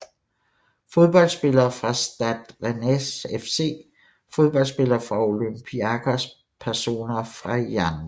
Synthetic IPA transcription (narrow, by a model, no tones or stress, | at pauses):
fo̝ð̞ˠb̥ɒ̽l̰sb̥e̝lɐːfʁɑ̈sd̥æd̥ʁenesefse̝̰ː | fo̝ð̞ˠb̥ɒ̽l̰sb̥e̝lɐːfʁɑ̈o̝lømpʰiækʰæs | pʰæɐso̝̰ːnɐfʁɑ̈jæn